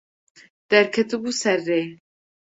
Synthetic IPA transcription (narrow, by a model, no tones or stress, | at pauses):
d̪̥ɛɾkʰɛt̪ɨbuːsɛrːeː